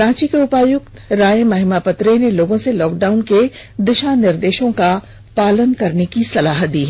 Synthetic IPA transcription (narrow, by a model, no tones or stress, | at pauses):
ɾãːt͡ʃikeʊpaːjʊk̚t̪ɾaːjemɐɦɪmapɐt̪ɾeneloːɡõselɔːk̚ɖaːʊnke | d̪ɪʃanɪɾd̪eːʃõka | paːlənkɐɾnekisɐlaːɦət̪d̪iːɦɛ